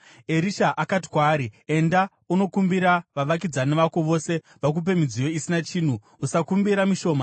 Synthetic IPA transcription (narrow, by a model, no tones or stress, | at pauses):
e̞ɾiʃaʔakat̬i̥kwaːɾie̞nda | uno̞kumbiɾaʋaʋak̬id͡zaneʋakweʋo̞se̞ | ʋak̬up̬e̞mid͡zijo̞isinat͡ʃiːn̤uːsakumbiɾamiʃo̞ːma